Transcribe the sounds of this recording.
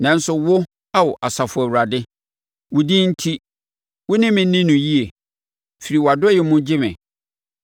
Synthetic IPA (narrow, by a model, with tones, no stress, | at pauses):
nã˨n˦sʊ˨wʊ˦ | a˦wɔ˨ʔa˨sa˨fʊ˨æ˨wu˨ɾa˨dɪ˦ | wʊ˨di˦n̩˦tʰi˦ | wʊ˦nɪ̃˦mɪ̃˨˦nɪ̃˦nũ˨ji˦e˨ | fi˨ɾi˨wɔ˨a˨dʊ˦jɪ˨mʊ̃˦d͡ʑɪ˦mɪ̰̃˨